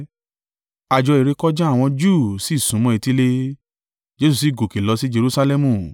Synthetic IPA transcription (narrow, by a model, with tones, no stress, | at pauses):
a˨d͡ʒɔ˧i˨ɾe˧kɔ˦d͡ʒɛ˦a˦˨w̃ɔ̃˧d͡ʒuː˦˨si˨˦˨sũ˨˦mɔ̃˧˦e˧ti˦le˦ | d͡ʒe˧˦su˨s̬i˨˦˨ɡo˨ke˨lɔ˨˧si˦d͡ʒe˧ɾu˧˦sa˧lɛ˦˧mũ˨